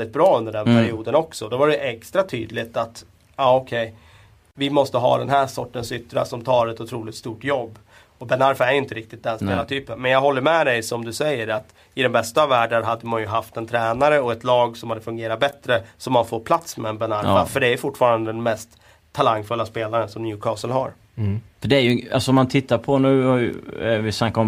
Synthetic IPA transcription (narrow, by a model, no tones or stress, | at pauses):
ld̪ɪt̪̚bɾɑːɵnd̪əɖɛnpʰæɾɪuːd̪ənɔksɔd̪ɔvaɖɛʔɛkst̪ɾat̪ʰy̰ːd̪lɪt̪at̪ | aɔkʰɛj | vɪmɔst̪əɦɑ̰ːd̪ɛnɦæːʂɔ̰ʈːənsʏt̪ːɾa̰sɔmt̪ʰɑːɾɛt̪ʊt̪ʰɾuːlɪt̪st̪uːʈjɔbː | ɔbɛnaɾfaæɾjʏɪnt̪əɾɪk̚t̪ɪt̪̚d̪ɛnspeːlat̪ʰyːpənmɛnjɑːɡɦɔlːəɾmɛd̪ɛjsɔmd̪ɵsɛjːəɾat̪ | ɪd̪ɛmbɛst̪avæːɖənɦad̪ːəmanjɵɦaft̪ɛnt̪ʰɾɛːnaɾəɔɛt̪lɑːɡsɔmhad̪əfɵŋɡeːɾat̪̚bɛt̪ɾəsɔmːanfoːɾpʰlat̪smɛːnbɛnaɾfa̰fœɖɛæɾjɵfʊʈːfɑːɾand̪əd̪ɛnmɛst̪ | tʰːalaŋːfɵlːaspeːlaɾənsɔmnjʉːkʰɑːsəlɦa̰ɾ | fœɖɛæɾjɵa̰lsɔɔmːant̪ʰɪt̪ːaɾpʰɔnʉ̟ːhaɾj̰vɪsnakːaɔm